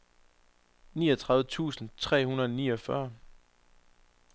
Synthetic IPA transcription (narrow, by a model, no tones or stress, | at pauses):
nḭːʌt͡sʰʁɑ̈ðʋət͡sʰṵːsn̩t͡sʰʁɛ̰ːhunəɐðˠɒniːɒfɶɐ